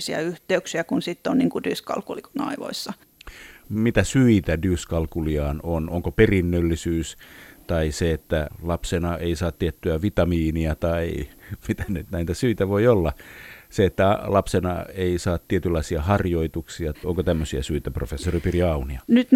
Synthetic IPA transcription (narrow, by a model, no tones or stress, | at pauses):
siɑ̰yht̪eyksiækunsit̪ːonniŋkud̥yskɑ̰lkulikonɑ̰iʋo̰isːɑ | mit̪æsyit̪ædyskɑlkuliɑːnonoŋkoperinːølːisyːst̪ɑiseet̪ːælɑpsenɑʔeisɑːt̪t̪iet̪ːyæʋit̪ɑmiːniɑt̪ɑimit̪ænyt̪næit̪æsyit̪æʋoiolːɑseet̪ːælɑpsenɑ̰eisɑːt̪t̪iet̪ylːɑisiɑhɑrjoit̪uksiɑoŋkot̪æmːøsiæsyit̪æprofesːoripiriɑuniɑnyt̪